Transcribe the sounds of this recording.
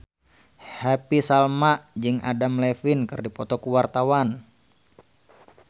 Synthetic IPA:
hapisalmaʔd͡ʒɨŋʔa̰damlɛfinkɨrdipɔt̪ɔkuwart̪awan

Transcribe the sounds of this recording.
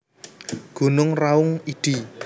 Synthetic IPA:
ɡ̥ṳnʊŋraʊŋiɖ̥i

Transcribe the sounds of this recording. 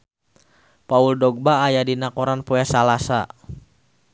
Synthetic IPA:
pauldɔɡ̚baːjadinakɔɾanpɔasalasa

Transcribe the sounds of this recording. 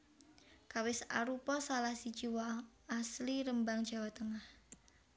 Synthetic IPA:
kawɪsa̰ɾupɔsalahsi̥d͡ʒ̥iwaː | sliɾəmbaŋ̥d͡ʒ̥a̤wat̪əŋah

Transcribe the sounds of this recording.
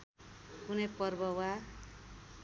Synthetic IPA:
kunʌjpʌrbʌwa

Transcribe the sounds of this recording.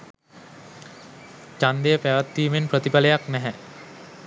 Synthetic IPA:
t͡ʃand̪ejəpæʋat̪ːiːmenprət̪ipalejaknɛɦɛ

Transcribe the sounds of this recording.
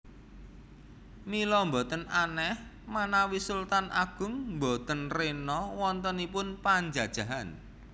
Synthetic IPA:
milɔmbɔt̪ənanɛh | manawisult̪anʔaɡ̥ʊ̤ŋmbot̪ənrenɔwɔnt̪ənipʊnpaɲd͡ʒad̥ʒ̥ä̤ɦan

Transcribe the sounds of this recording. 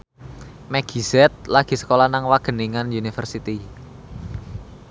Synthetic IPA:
mɛɡ̥izɛt̪̚laɡ̥i̤sə̥kolanaŋwaɡ̥ə̤niŋanunifərsit̪i

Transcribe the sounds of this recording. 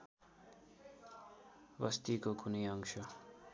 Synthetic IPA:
bʌst̪ikokunʌjʌŋsʰʌ

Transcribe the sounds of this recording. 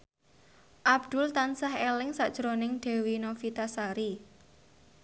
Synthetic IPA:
ʔab̚d̪̥ʊ̤lt̪ansahelɪŋsaʔd̥ʒ̥əɾonɪŋɖ̥e̤winofit̪asaɾi

